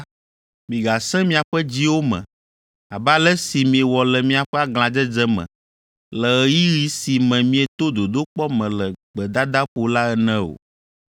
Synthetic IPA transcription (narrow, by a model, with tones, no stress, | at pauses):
mĩ˨ɡa˨sɛ̃˦mĩ˦a˨ɸɛ˦d͡ʑi˦wo˦mɛ̰̃˨ | a˨ba˦lɛ˦si˨mĩ˨e˨wɔ˨lɛ˨mĩ˦a˨ɸɛ˦a˦ɡl̃ã˨d͡ʒɛ˦d͡zɛ˦mɛ̰̃˨ | lɛ˨ɛ˨ji˦ɣi˦si˨mɛ̃˨mĩ˦ɛ˨t̪o˦d̪o˨d̪o˦k͡pɔ˦mɛ̃˨lɛ˨ɡ͡bɛ˨d̪a˦d̪a˦ɸo˨la˦ɛ˦nɛ̃˦o̰˨